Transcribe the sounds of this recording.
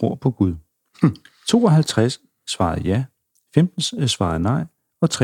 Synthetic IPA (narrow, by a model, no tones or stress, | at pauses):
ʁo̝ɐ̰pʰɒ̽ɡ̥uð̞ˠ | t͡sʰo̝̰ːɒɦælt͡sʰʁasː | ʋɑ̈ːð̩ˠjæ | femd̥n̩ssʋɑ̈ːðˠnɑ̈ɪ̰ | ɒ̽t͡sʰʁ